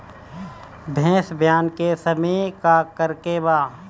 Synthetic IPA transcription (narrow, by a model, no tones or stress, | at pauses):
bʱẽːsbʱjaːnkesɐmikakəɾkebaː